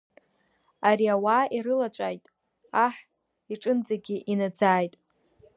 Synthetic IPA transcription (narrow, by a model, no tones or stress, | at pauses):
aɾiawaːirɨlat͡ʃʷʼajtʼ | aħ | iʈ͡ʂʼɨnd͡zaɡʲiʔinad͡zaːjtʼ